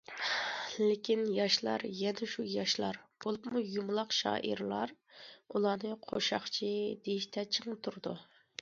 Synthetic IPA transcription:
lekʲʰinjɑʃlˠɑ̰ɾjɛnɛʃujɑʃlˠɑɾb̥olˠupmujumlˠɑqʃɑ̰ːʔḭɾlˠɑɾulˠɑːnɨqʰoʃɑχt͡ʃʰid̪ejiʃt̪ʰɛt͡ʃʰəŋt̪ʰuɾd̪u

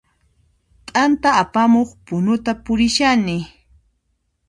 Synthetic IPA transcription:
t̪ʼant̪aːpamoχpʊnʊt̪apʊɾɪʃanɪ

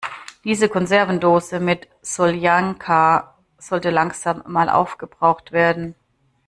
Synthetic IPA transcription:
d̥iːzəkʰɔnzɛɐvn̩doːzəmɪt | z̥oljaŋkʰa | z̥ɔltəlaŋz̥aːmːaːlʔa̰ʊfɡ̥əbʁaʊxtv̥eːɐdn̩

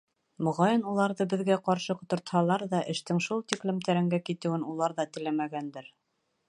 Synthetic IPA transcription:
mŏʁɑjɤnulˠɑɾðɤbɘ̆ðɡæqɑɾʃɤqŏt̪ŏɾt̪hɑlˠɑɾðɑʔɘ̆ʃt̪ɘŋʃulˠt̪iklɘ̆mt̪æɾɘ̆ŋɡækit̪ɘ̆wɘnulˠɑɾðɑt̪ɘ̆læmæɡænd̪ɘɾ

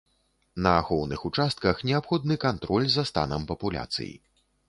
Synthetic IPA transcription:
nɐɣɔwnɨxut͡ʂast̪̚kɐxnʲɛapxɔd̪nɨkant̪ɾɔlʲzɐst̪a̰nɐmpɐpulʲa̰t̪sɨ̰jḭ

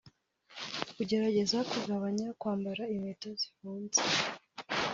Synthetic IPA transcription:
kuɟe̞ɾaɟe̞zakuɡaβaɲakwaːmbaɾaimetazifuːnze

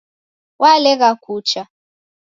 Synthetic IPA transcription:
walɛɣakʰuːt͡ʃʰa

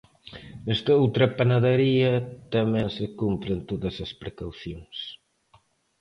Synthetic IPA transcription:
nɛst̪ɐowt̪ɾɐpanaðɐɾiɐt̪ɐmɛ̃ŋsɪkumpɾɪnt̪oðɐsɐspɾekawθjoŋs

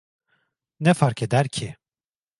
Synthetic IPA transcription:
nɛfaɾked̪æɾcʰi

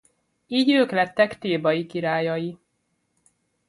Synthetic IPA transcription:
iːɟøːklɛt̪ːɛkt̪eːbɒjikiɾaːjɒji

